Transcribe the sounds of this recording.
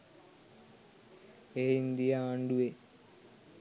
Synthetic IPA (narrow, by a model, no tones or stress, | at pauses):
eːind̪ijaːɳɖue